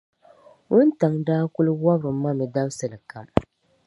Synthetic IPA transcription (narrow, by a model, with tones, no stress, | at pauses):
ʊ˦n˦ta˨ŋdaː˦kʊ˦lwa˦bɾɨ˨˦ma˦mɪ˨da˦bsɨ˨lɨ˨ka˨m